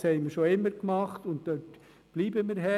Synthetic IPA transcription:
shɛɪməɾʃoɪmːəɾkmɑχtʊnttøt | b̥liːbəmɪɾɦɛ

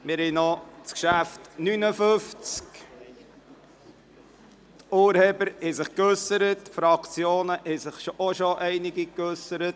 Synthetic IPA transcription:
mɪɾhɛnɔt͡skʃæftnynəføft͡sk | tuːɾheːbəɾhɛsɪχkøsəɾətfɾɑkt͡sjoːnəʔɛsɪχʃoɔʃoʔɛɪnɪɡikøsəɾət

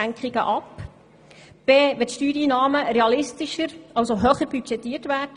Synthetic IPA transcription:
æŋkχiɡə̰ʔɑp | b̥eːʋɛtʃtyːɾiːnɑːməɾeɑlɪst̪iʃəɾʔɑwsoɦøːχəɾbyt͡ʃɛtːiːtʋæːd

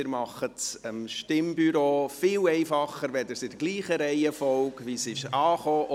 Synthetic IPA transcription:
ɪɾmɑχətsəmʃtɪmbyɾoːfɪlɛɪfɑχəɾʋɛd̪əɾsɪd̥əɡliːχəɾɛɪəfɔlkvisɪʃɑːχoːʔ

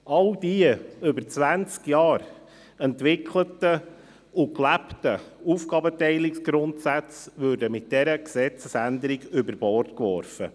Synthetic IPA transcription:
ʔɑldiəɵbəɾt͡sʋænt͡skjɑːɾ | ɛntʋɪkʰlətə | ʊklæptəufɡ̥ɑbətɛɪlɪksɡ̥ɾʊntsæt͡sʋøːɾdəmɪt̚d̥ɛɾəksɛt͡səsænd̪əɾɪɡʏbəɾb̥ɔrtkʋɔ̰ɾfə

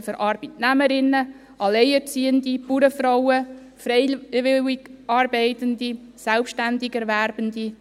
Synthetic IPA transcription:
fəɾʔɑɾb̥itnæməɾɪnːə | ʔɑlɛɪɛɾt͡siːəndipuːɾəfɾowə | fɾɛɪʋɪwikɑːɾbeɪtəndisɛlpʃtændɪɡɛɾʋæɾbəndi

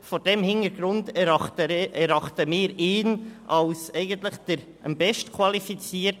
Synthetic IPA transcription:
foːɾd̥ɛmhɪnəɾɡ̥ɾʊndɑtəɛɾɑχtəmɪːɾɪːnʔɑlsɛɪɡəntlɪχd̥əɾ | ʔəmbɛʃtkʰwɑlifit͡siːəɾt

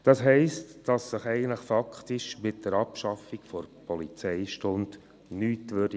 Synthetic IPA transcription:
d̥ɑsɦɛɪstd̥ɑsːəχɛɪɡəntləχfɑkχtɪʃmɪt̚d̥əɾɑpʃɑfikfɔɾpʰɔlit͡sɛɪʃtʊnd | nyːtʋød̥i

